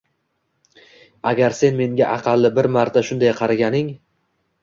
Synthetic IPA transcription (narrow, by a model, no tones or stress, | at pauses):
a̰ɡʲaɾse̞nme̞ŋɡʲaʔɑqʰɑlˠːɪbɪɾmaɾt̪ʰaʃʊnd̪ajqʰɑɾaɡʲanɪŋ